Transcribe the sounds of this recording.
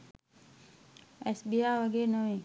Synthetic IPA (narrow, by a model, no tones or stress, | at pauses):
ɛsbiːaːjʋəɡeːɾnəʋẽː